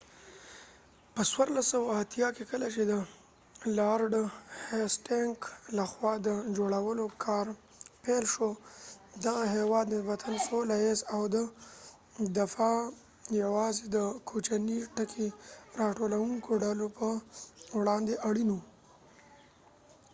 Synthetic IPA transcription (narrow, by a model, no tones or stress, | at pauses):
pəswaɾlasawaat̪jɑkekəlat͡ʃed̪ə | lɑɾɖəhesʈeŋklaxwɑd̪əd͡ʒoɽawəlokʰɑɾ | pelʃo | d̪aɣaɦewɑd̪nɪsbat̪ʰansolajezawd̪ə | d̪afɑ | jawɑzed̪əkʰot͡ʃaniʈəkʰeɾɑʈolawuŋkʰoɖalopəwɽɑnd̪eʔaɽinu